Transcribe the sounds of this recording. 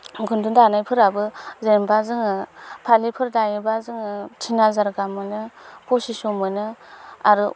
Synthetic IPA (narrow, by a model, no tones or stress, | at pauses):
ɡundundanajpʰɯɾabɯzembazɯŋɯpʰalipʰɯɾdajibazɯŋɯtʰinazaɾɡamɯnɯpʰosisomɯnɯaɾɯ